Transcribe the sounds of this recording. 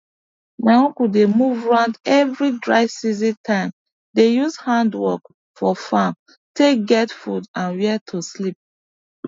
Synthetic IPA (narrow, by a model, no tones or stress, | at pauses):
mãɔ̃kudemuvɹãʊ̃ndɛvɹidɹaɪsizĩtʰãɪ̃m | dejuzhãndwɔk | fɔfãm | tek̚ɡɛtfudãnwɛtʰuslip̚